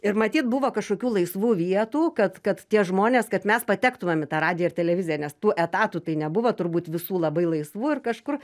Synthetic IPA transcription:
ɪrmɐt̪ʲiːt̪bʊʋoːkɐʃkoːkʲuːlˠɐɪsʋuːʋʲiɛt̪uːkɐt̪kɐt̪t̪ʲiɛʒmoːnʲeːskɐt̪mʲɛspɐt̪ʲæːkt̪ʊmʲɛmɪt̪ɑːrɑːd̪ʲɪjoɪrt̪ʲɛlʲɛʋʲɪzʲɪjɛnʲɛst̪uːʔɛt̪ɑːt̪uːt̪ɐɪnʲɛbʊʋoːt̪ʊɾbuːt̪ʋʲɪsuːlˠɐbɐɪlˠɐɪsʋuːɪrkɐʃkʊr

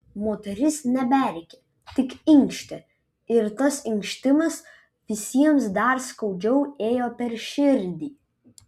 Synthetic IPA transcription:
moːt̪ʲɛɾʲɪsnʲɛbʲæɾʲkʲe | t̪ʲɪkɪŋkʃʲt̪ʲɛ | ɪɾt̪ɐsɪŋkʃʲt̪ʲɪmɐs | ʋʲɪsʲiɛmsd̪ɐɾskɐʊd͡ʒʲɛʊeːjoːpʲɛɾʃʲɪɾʲd̪ʲiː

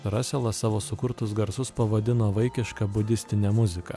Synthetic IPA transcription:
ɾɑːsʲɛlˠɐsɑːʋoːsʊkʊɾt̪ʊsɡɐɾsʊspɐʋɐd̪ʲɪnoːʋɐɪkʲɪʃkɐbʊd̪ʲɪsʲt̪ʲɪnʲɛmʊzʲɪkɐ

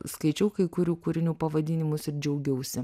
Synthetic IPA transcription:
skɐɪt͡ʃʲɛʊkɐɪkʊɾʲuːkʊːɾʲɪnʲuːpɐʋɐd̪ʲɪːnʲɪmʊsɪɾd͡ʒʲɛʊɡʲɛʊsʲɪ

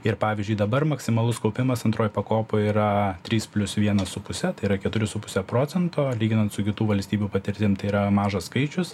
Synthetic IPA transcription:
ɪrpɑːʋʲɪzʲd͡ʒʲʊɪd̪ɐbɐrmɐksʲɪmɐlˠʊskɐʊpʲɪmɐsɐnt̪ɾoːjpɐkoːpʊiːɾɐt̪ʲɾʲiːspʲlʲʊsʋʲiɛnɐsʊpʊsʲɛt̪ɐɪiɾɐkʲɛt̪ʊɾʲɪsʊpʊ̥sʲɛpɾoːt͡s̪ʲɛnt̪oːlʲiːɡʲɪnɐnt̪sʊkʲɪt̪uːʋɐlʲsʲt̪ʲiːbʲuːpɐt̪ʲɪɾʲt̪ʲɪmt̪ɐɪiɾɐmɑːʒɐsskɐɪt͡ʃʲʊs

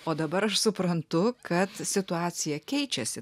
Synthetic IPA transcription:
oːd̪ɐbɐɾɐʃsʊpɾɐntt̪ʊkɐt̪sʲɪt̪ʊɑːt̪sʲɪjɛkʲɛɪt͡ʃʲɛsʲɪ

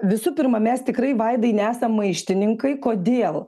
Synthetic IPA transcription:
ʋʲɪsupʲɪɾmɐmʲɛst̪ʲɪkɾɐɪʋɐɪd̪ɐɪnʲæːsɐmːɐɪʃʲt̪ʲɪnʲɪŋkɐɪkoːd̪ʲeːlˠ

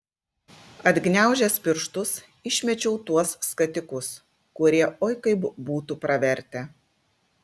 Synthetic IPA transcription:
ɐd̪ʲɡnʲæˑʊʒʲɛspʲɪɾʃt̪ʊs | ɪʃʲmʲɛt͡ʃʲɛʊt̪uɔsːkɐt̪ʲɪkʊs | kʊɾʲiɛʔoːjkɐɪbbuːt̪upɾɐʋʲɛɾʲt̪ʲɛ

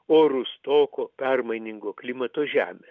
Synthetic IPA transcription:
oːɾʊst̪oːkoːpʲɛrmɐɪnʲɪŋɡoːklʲɪmɐt̪oːʒʲæːmʲes

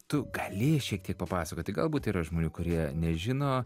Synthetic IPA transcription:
t̪ʊɡɐlʲeːjʃʲiɛk̚t̪ʲiɛk̚pɐpɑːsɐkoːtʲɪɡɐlˠbuːt̪iːɾɐʒmoːnʲuːkʊɾʲiɛnʲɛʒʲɪnoː

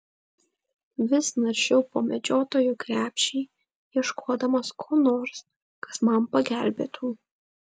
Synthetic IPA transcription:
ʋʲɪsnɐɾʲʃʲɛʊpoːmʲɛd͡ʒʲoːt̪oːjukɾʲæːpʲʃʲɛɪ | jiɛʃkʰoːd̪ɐmɐskʰoːnoːɾs | kɐ̥smɐmpɐɡʲæˑlʲbʲḛːt̪ʰuː

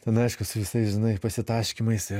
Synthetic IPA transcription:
t̪ʲɛnɐɪʃkʊsʊʋʲɪsɐɪsʒʲɪnɐɪpɐsʲɪt̪ɑːʃʲkʲimɐɪsɪ

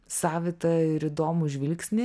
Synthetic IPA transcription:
sɑːʋʲɪt̪ɐɪɾɪd̪oːmʊʒʲʋʲɪlʲksʲnʲɪ

